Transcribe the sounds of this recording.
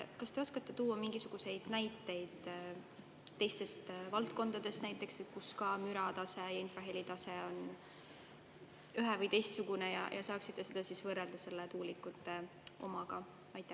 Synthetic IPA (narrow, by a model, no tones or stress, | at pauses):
kɑst̪e̞o̞skɑt̪ːˑe̞t̪uːɑmiŋɡ̥isuɡ̥use̞jd̪̥næjt̪ːˑe̞jd̪̥ | e̞jst̪e̞st̪vɑlt̪ko̞nd̪̥ɑd̪̥e̞st̪næjt̪ːˑe̞kset̪̚kuskɑmyɾɑt̪ɑse̞jɑinfrɑɦelit̪ɑse̞o̞n | yɦevɤjt̪ejst̪suɡ̥une̞jɑ̰jʔɑ̰sɑːksit̪ˑːe̞se̞d̪̥ɑsisvɤrːeld̪̥ɑse̞lːet̪uːlikːˑut̪ːˑe̞ | o̞̰mɑɡ̥ɑ | ɑjt̪ːˑæ